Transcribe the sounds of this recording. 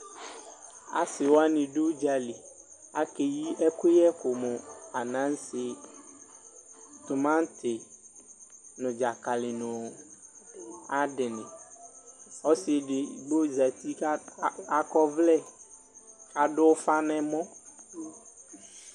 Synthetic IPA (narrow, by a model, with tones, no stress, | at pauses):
a̰˨sɪ˨wa˦nɪ̃˨ɖo˦d͡ʒa˨li˨a˦ke˨ji˦ʔɛ˦kʊ˦jɛ˦kʊ˨mʊ˨a˨nã˦n˦sɪ˨ | t̪ʊ˨mã˦n˦t̪ʰɪ˨ | nʊ̃˨d͡ʒa˨ka˨lɪ˨nʊ̃˨ | a˦dɪ˨nɪ̃˨ | ɔ˦sɪ˨dɪ˨ɡ͡bo˦za˨t̪i˦a˦kɔ˦vlɛ˦ | a˨ɖʊ˦fa˦nɛ̃˦mɔ̃˦